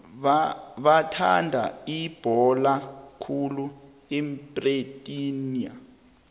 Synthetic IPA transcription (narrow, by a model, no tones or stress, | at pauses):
βatʰa̰ndʱa̰ib̥ʱɔlakʰulu | ɛmbʼretʼinia̰